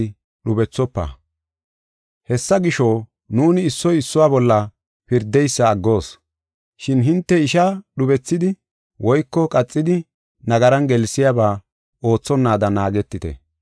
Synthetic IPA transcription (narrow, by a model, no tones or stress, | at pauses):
ɗʊbɛt͡sːɔpːɐ̰ | hɛsːɐɡɪʃo | nuːnɪːsːɔjɪsːʊwaːbɔlːɐ | pɪɾd̪ɛjsːɐːɡːo̞ːs | ʃɪnɦɪnt̪ːɛɪʃaɗʊbɛt͡sːɪd̪ɪ | wʔɔjkːɔkʼɐt͡sʼːɪd̪ɪ | nɐɡɐɾɐnɡɛlsɪjabaː | o̞ːt͡sːɔnːaːd̪ɐnaːɡɛt̪ːɪt̪ɛ̰